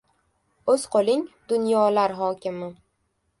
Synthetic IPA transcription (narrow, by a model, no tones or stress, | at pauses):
ɵz̥qʰolˠɪŋd̪̥ʊnjɒlaɾɦɒkʲɪmɪ